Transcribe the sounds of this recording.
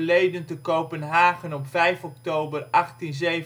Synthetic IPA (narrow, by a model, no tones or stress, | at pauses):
lejdəntəkowpənɦaːχənɔpfɛjfɔk̚towbərɑχtinzej